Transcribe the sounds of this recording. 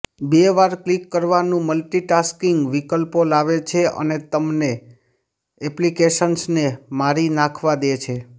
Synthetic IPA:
beʋaɾklikːəɾʋanũməlʈiʈaskiŋɡʋikəlpolaʋet͡ʃʰeʔə̰net̪əmne | ɛplikeʃənsnemaɾinakʰʋad̪et͡ʃʰe

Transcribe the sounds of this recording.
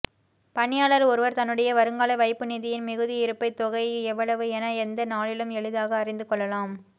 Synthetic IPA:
pɐɳɪjaːɭɐɾɔɾɯʋɐɾt̪ɐnːɯɽɐjɐʋɐɾɯŋɡaːɭɐʋɐɪpːɯnɪðɪjɪnmɪɣɯðɪɪɾɯpːɐɪt̪ːɔɣɐɪɛʋːɐɭɐʋɯɛnɐɛnd̪ɐnaːɭɪlɯmɛɻɯðaːɣɐːrɪnd̪ɯkɔɭːɐlaːm

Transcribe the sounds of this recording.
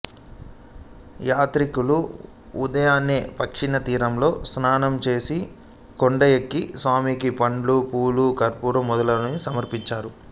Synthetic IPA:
jaːt̪ɾikulu | ud̪ɐjaːneːpɐkʂinɐt̪iːɾɐmlo̞ːsnaːnɐmt͡ʃe̞ːsi | koɳɖɐjekːisʋaːmikipɐɳɖlupuːlukɐɾpuːɾɐmːɔd̪ɐlɐnusɐmɐɾpiɲt͡ʃaːɾu

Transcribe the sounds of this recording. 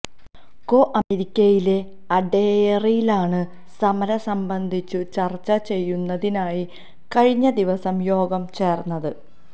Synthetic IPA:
ko̞ːʔɐmeɾikʲːɐjile̞ | ɐɖeːjrijilaːɳɨ | sɐmɐɾɐsɐmbɐnd̪ʱit͡ɕːut͡ɕɐrt͡ɕːɐt͡ɕe̞jːunːɐðinaːji | kɐɻiɲːɐd̪iʋɐsɐmjo̞ːɡɐmt͡ɕe̞ːrnːɐðɨ

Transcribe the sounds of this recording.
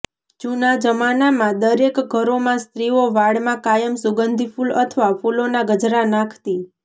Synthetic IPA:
t͡ʃunad͡ʒəmanamãd̪əɾekɡʱəɾomãst̪ɾioʋaɽmãkajəmsuɡənd̪ʱifulə̰t̪ʰʋafulonaɡəd͡ʒɾanãkʰt̪i

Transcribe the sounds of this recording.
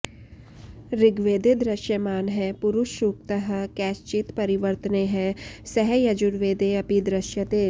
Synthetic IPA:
ɾɪɡʋeːd̪ed̪ɾɐʃjəmaːnɦɛpʊɾʊʃuːk̚t̪əɦkɛːst͡ʃɪt̪pɐɾɪʋəɾt̪əneɦɛ̃sɛɦɛjɐd͡ʒʊɽʋeːd̪eɐpid̪ɾɐʃjət̪eː

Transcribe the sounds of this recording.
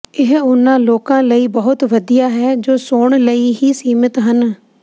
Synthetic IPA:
ɪɦʊnãːloːkãːləiːbəɦʊt̪ʋəd̪ijaːɦɛːd͡ʒoːsoːɳləiːɦiːsiːmɪt̪ɦən

